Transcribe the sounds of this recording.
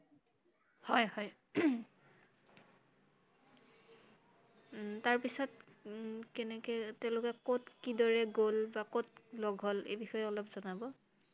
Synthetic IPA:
hɔjhɔj | taɹpisɔt | kɛnɛkɛtɛʊ̃lʊkɛkotkidɔɹɛɡolbakotlɔɡʱɦolḛjbixɔjɛɔlɔpzɔnabɔ

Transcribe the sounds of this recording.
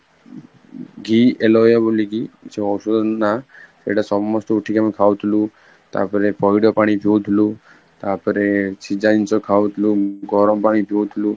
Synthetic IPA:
ɡielɔjaboliɡit͡ʃʰeɔsud̪ɔnat̪ḛɽasɔmːɔsʈɔuʈʰikamekʰaʋwt̪ʰulu | t̪a̰ːpəɾepɔjɖɔpaɽ̃ipʰewt̪ʰulu | t̪apəɾet͡ʃʰid͡ʒaint͡ʃɔkʰaʋt̪ʰluɡɔɾɔmpaːɽ̃ipʰewt̪ʰulu

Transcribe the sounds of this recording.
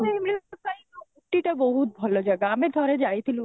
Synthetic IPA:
eimesaiouʈːiʈabɔɦut̪̚bʱɔlod͡ʒɐɡaːmẽd̪ʱɔɾed͡ʒajt̪ʰilũ

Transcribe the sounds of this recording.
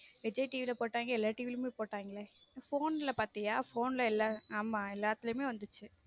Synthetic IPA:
ʋɪd͡ʒɐʈiːʋɪlɐpoːʈːaːŋɡɐɛlːaːʈiːʋɪlmeːpoːʈːaːŋɡɐɭefoːnɪlɐpaːɾt̪ɪŋaːfoːnlɐɛlːɐaːmaːɛlːaːt̪ːɪlɯmeːʋɐnd̪ɯt͡ʃːɯ

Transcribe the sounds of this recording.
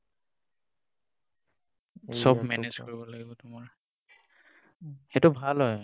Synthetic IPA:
sɔbmɛnezkoɹibɔlaɡibɔtʊmaɹ | xetʊbʱalɦɔj

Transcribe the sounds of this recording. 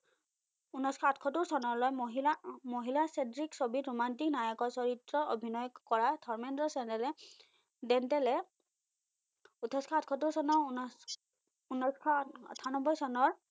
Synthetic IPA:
unɔskʰɔatʰkʰɔtuɹsɔnɔɹlojmoɦilamoɦilasedɹiksobitɹumantiknajɔkɔɹsɔɹitɹɔo̰bʱinɔjkɔɹatʰɔɹmɛndɔsɛntɛlɛ | dɛntɛlɛ | utʰɔskʰɔatkʰɔtːuɹsɔnɔ | unɔskʰɔɔ̰tʰanɔbɔjsɔnɔɹ

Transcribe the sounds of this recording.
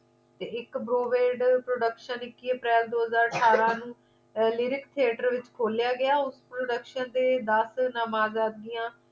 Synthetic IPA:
t̪eːɪkbɾoːʋeːɖpɾoːɖəkʃənɪkːiːəpɾɛːld̪oːɦəzaːɾəʈʰaːɾãːnũː | lɪɾɪkt̪ʰieːʈəɾʋɪt͡ʃkʰoːljaːɡɪaːʊspɾoːɖəkʃənd̪eːd̪əsnəmaːzaːd̪̚ɡɪjãː

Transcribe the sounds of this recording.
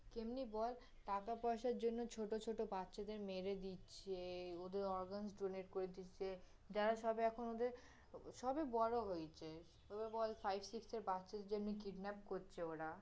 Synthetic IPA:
kemnibɔl | ʈakapɔeʃaɾd͡ʑonːot͡ɕʰoʈot͡ɕʰoʈobatːɕʰad̪eɾmeɾed̪itːɕʰeod̪eɾɔɾɡansɖoneʈkoɾed̪iːt͡ɕʰe | d͡ʑaɾaʃɔbeɛkʰonod̪eɾ | ʃɔbebɔɾoɦojt͡ɕʰe | obebɔlfajbsikseɾbatːʃʰad̪eɾd͡ʑemnikiɖnɛpkoɾt͡ɕʰeoɾa

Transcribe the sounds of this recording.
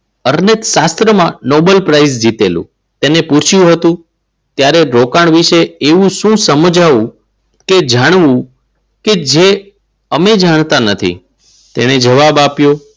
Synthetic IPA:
əɾnət̪ʃast̪ɾəmãnobəlpɾaizd͡ʒit̪elṵ̃ | t̪enepũt͡ʃʰjũɦət̪ũ | t̪jaɾeɾokaɳ̃ʋiʃeːʋũʃũsəmd͡ʒaʋũ | ked͡ʒaɽ̃ʋũ | ked͡ʒe | əmed͡ʒaɽ̃t̪anət̪ʰḭ | t̪eɽ̃ed͡ʒəʋabapjo

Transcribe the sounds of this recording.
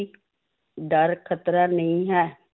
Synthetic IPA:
ɖəɾkʰət̪ɾaːnəĩːɦɛː

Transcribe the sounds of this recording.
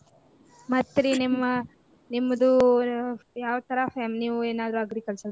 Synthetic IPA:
mɐt̪ːɾenimːɐ | nimːɐd̪u | jaːʋɐt̪ɐɾɐfemniːʋueːnaːd̪ɾuɐɡɾikɐɭsɐ

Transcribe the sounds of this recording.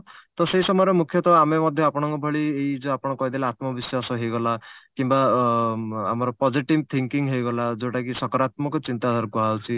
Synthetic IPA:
t̪ɔseisɔmɔjɾemukʰjɔt̪ʰɔbamemɔd̪ʱjɔapɔɽ̃ɔŋkɔbʱɔɭieid͡ʒeapɔɽ̃ɔkɔɦid̪elaat̪mɔbiswasɔɦejɡɔlakimba | a̰mɔɾɔpɔd͡ʒiʈibt̪ʰiŋkiŋɦejɡɔlad͡ʒoʈak̬isɔkɔɾat̪mɔkɔt͡ʃint̪ad̪ʱaɾɔkɔɦawt͡ʃʰi

